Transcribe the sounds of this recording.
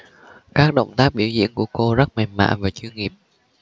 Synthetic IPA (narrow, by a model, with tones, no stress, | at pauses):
kaː˦˥k̚ɗə̰˧˨wŋ͡mt̪aː˦˥k̚ɓi˧˩əwzḭ˧˥ənku˧˩əko˧zə˦˥k̚ma˨˩ma̰ː˧˨nvaː˨˩t͡ɕɨ˧ŋi˨˩əp̚